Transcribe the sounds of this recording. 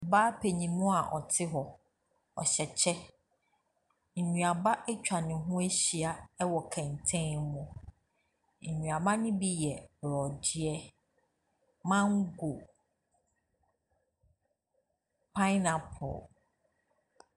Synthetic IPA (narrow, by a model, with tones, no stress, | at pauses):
baː˦pʰe˨ɲĩ˨mʊ̃˦a˨ʔɔ̰˨tʰɪ˦ɦɔ˨ | ɔ̰˨ɕɛ˨t͡ɕʰɛ˦ | ɲ̩˨ɲũ˨a˨ba˦ʔɛ˦t͡ɕᶣa˨nɪ̃˨ɦʊ̃˦e˦ɕi˨a˨ɛ˦wɔ˨kʰɛ̃˨n˨tʰɛ̃˦mũ˨ | n̩˨ɲũ˨a˨ba˦nɪ̃˦bi˦jɛ˨bɾɔ˨dɪ˦ɛ˦ | mã˦ŋ˦ɡo˨ | pʰa˦na˨pʰʊ̰˨l